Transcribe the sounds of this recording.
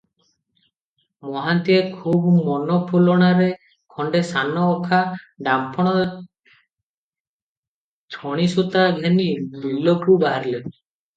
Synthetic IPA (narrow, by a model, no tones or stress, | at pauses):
mɔɦant̪iekʰubmɔnɔpʰulɔɽ̃aɾe | kʰɔɳɖesanɔːkʰa | ɖampʰɔɽ̃ɔ | t͡ʃʰɔɽ̃isut̪aɡʱenid̪ulɔkubaɦaɾile